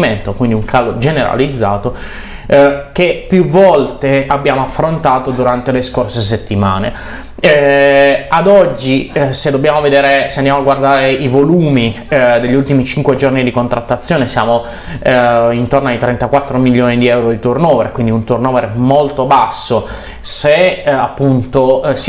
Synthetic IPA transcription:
iment̪okwind̪iuŋkʰalod͡ʒeneɾa̰lid̪zːaːt̪o | kepːjuvɔlt̪eabːjaːmoafːɾont̪aːt̪od̪uɾant̪eleskorses̬et̪ːimaːne | ad̪ɔd͡ʒːised̪ːobːjaːmoved̪eːɾeseand̪jamaɡward̪aːɾeivoluːmi | d̪eʎːiult̪imit͡ʃiŋkwed͡ʒornid̪ikont̪ɾat̪ːat̪sːjoːnesjaːmo | int̪ornoajt̪ɾɛnt̪akwat̪ːɾomiʎːoːnid̪iɛwɾod̪it̪urnɔːveɾkwind̪iunt̪urnoːveɾemolt̪obasːo | seapːunt̪os

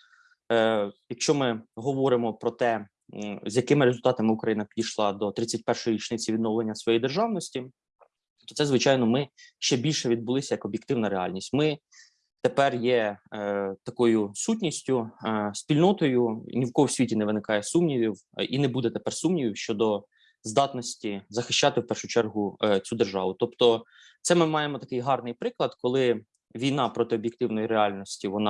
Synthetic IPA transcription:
jɐkʃt͡ʃɔmɪɦɔʋɔɾɪmɔpɾɔt̪ɛ | zʲjɐkɪmɪɾezʊlʲt̪ɑt̪ɐmɪukɾɐjinɐpʲidʲijʃlˠɑd̪ɔt̪ɾɪt͡sʲɐt̚ʲpɛrʃɔjiɾʲit͡ʃnɪt͡sʲiʋʲid̪nɔwlˠenʲːɐsʋɔjijd̪erʒɑʋnɔsʲtʲi | t̪ɔ̥tsɛzʋɪt͡ʃɑjnɔmɪʃt͡ʃɛbʲilʲʃɛʋʲid̪̚bʊlˠɪsʲɐjɐkɔbʲjɪkt̪ɪwnɐɾeɑ̰lʲnʲisʲtʲmɪ | t̪epɛrjɛ | t̪ɐkɔjʊsutʲnʲisʲtʲʊsʲpʲilʲnɔt̪ɔjʊnʲiwkɔwsʲʋʲitʲinɛʋɪnɪkɑjɛsumnʲiʋʲiw | inɛbud̪ɛt̪epɛrsumnʲiʋʲiwʃt͡ʃɔd̪ɔ | zd̪ɑt̪nɔsʲtʲizɐxɪʃt͡ʃːɑt̪ɪwpɛrʃʊt͡ʃɛrɦʊt͡sʲud̪erʒɑʋʊt̪ɔpt̪ɔ | t̪sɛmɪmɑjemɔt̪ɐkɪjɦɑrnɪjpɾɪklˠɐd̪kɔlˠɪ | ʋʲijnɑpɾɔt̪ɪɔbʲjek̚t̪ɪwnɔjiɾeɑlʲnɔsʲtʲiʋɔnɑ

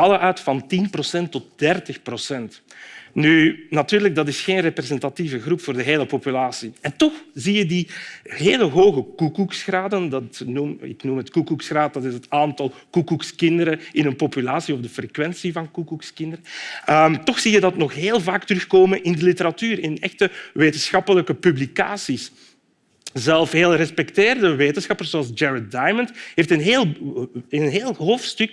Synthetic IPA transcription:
ɑləʔœɥtfɑntinprosɛntːɔt̚d̥ɛrtəxprosɛnt | nynɑtyːrləɡ̚dɑtɪsxeːnreprezɛntativəɣrupfoːrdəɦeːləpopylaːsiɛntɔxzijədiɦeːləɦoːɣəkukuksxraːdəndɑtnumɪ̰knumɦətkukuksxraːt̚dɑtɪsɦətaːntɑlˠkukukskɪndəɾəɪnənpopylaːsiɔvdəfrekʋɛnsivɑnkukukskɪndəɾəəmtɔxsijədɑtnɔxɦeːlˠvaːktərʏxkoːmənʔɪndəlitəɾɑtyːɾɪnɛ̰xtəʋeːtənsxɑpələkəpyblika̰ːsis | zɛlˠfɦeːlˠrɛspɛkteːrdəʋeːtənsxɑpərszoɑlˠzd͡ʒɛɹədajməntɦeːftənɦeːlˠənɦeːlˠɦoːftstɵk

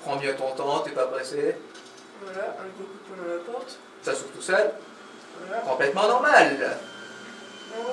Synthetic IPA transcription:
pχɑ̃bjɛ̃t̪ɔ̃t̪ɑ̃t̪yvabʁese | valabokupyɛat̪ɑ̃t̪ | sasuft̪usœl | alakɔ̃plɛt̪mɑ̃nɔʁmal

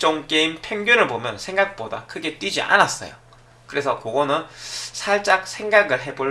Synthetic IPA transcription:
t͡ɕ͈oŋk͈eimpʰjeŋɡjuɾɯɭbomjʌnsʰe̞ŋɡak̚p͈oda̰kʰɯɡe̞t͈wid͡ʑiʔa̰nas͈ʌ̰jo̰ | kɯɾe̞sʰʌkoɡʌnɯnsʰaɭt͡ɕ͈ak̚sʰe̞ŋɡaɡɯɭɦe̞bo

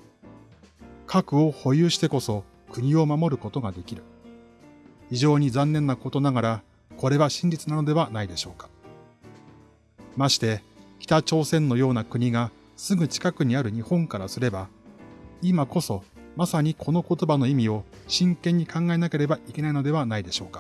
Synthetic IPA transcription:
kʰakɯ̟o̞ho̞jɯːɕi̥t̪e̞ko̞so̞ | kɯ̟ɲ̟io̞mamo̞ɾɯ̟ko̞t̪o̞ɡad̪e̞kʲiɾɯ̟ | iʑo̞ːɲ̟izãnːẽ̞nːako̞t̪o̞naɡaɾa | ko̞ɾe̞βaɕĩɲ̟d͡ʑit͡sɨnano̞d̪e̞β̞anaid̪e̞ɕo̞ːkḁ | maɕi̥t̪e̞kʲi̥t̪at͡ɕo̞ːsẽ̞nːo̞jo̞ːnakɯ̟ɲ̟iɡa | sɨɡɯ̟t͡ɕi̥kakɯ̟ɲ̟iaɾɯ̟ɲ̟ihõ̞ŋkaɾasɨɾe̞ba | imako̞so̞masaɲ̟ikʰo̞no̞ko̞t̪o̞bano̞imʲio̞ɕĩŋkẽ̞ɲ̟ːikãŋɡae̞nake̞ɾe̞baʔikʲe̞naino̞d̪e̞β̞anaid̪e̞ɕo̞ːkḁ

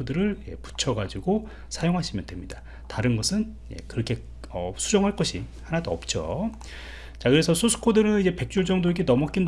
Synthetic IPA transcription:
odɯɾɯɭje̞̰pu̥t͡ɕʰʌɡad͡ʑiɡo | sʰajoŋɦaɕʰimjʌndwe̞mɲida | taɾɯnɡʌsʰɯn | jḛkɯɾʌkʰe̞ | ʌ̰sʰud͡ʑʌŋɦaɭk͈ʌɕʰi | hanadoʌp̚t͡ɕ͈o̰ | t͡ɕakɯɾe̞sʰʌsʰosʰu̥kʰodɯɾɯnid͡ʑe̞pe̞k̚t͡ɕ͈ud͡ʑʌŋdoeɡenʌmʌk͈in

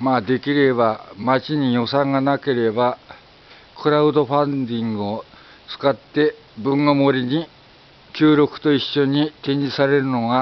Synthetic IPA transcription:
maːd̪e̞kʲiɾe̞bamat͡ɕiɲ̟ijo̞sãŋɡanake̞ɾe̞ba | kɯ̟ɾaɯ̟d̪o̞ɸãnd̪ʲĩŋɡɯ̟o | t͡sɨ̥kat̪ːe̞ | bɯ̃ŋɡomo̞ɾʲiɲ̟i | kʲɨːɾʲo̞kɯ̟̥t̪o̞iɕːo̞ɲ̟it̪ẽ̞ɲ̟d͡ʑisaɾe̞ɾɯ̟no̞ɡa

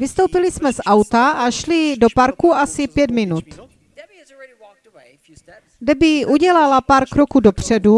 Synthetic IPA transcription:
vɪst̪owpɪlɪsmɛsʔawt̪aʔaʃlɪdo̞paɾkuʔasɪpjɛd̪mɪnut̪ | ɡdɛbɪʔuɟɛlalapaːɾkɾokuːdo̞pr̝̥ɛdu

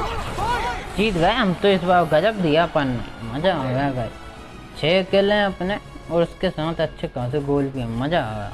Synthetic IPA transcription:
t͡ʃiːt̪ɡɐeɦɐmt̪oɪsbaːɾɡɐd͡ʒəp̚d̪ijapɐnːḛmɐd͡ʒaːɡjaɡaḛ | t͡ʃʰeːkɪlẽɐpneɔːɾʊskesaːt̪ʰɐtːʃʰekãːs̬eɡoːlpiemɐd͡ʒa̰ːɡa̰ː

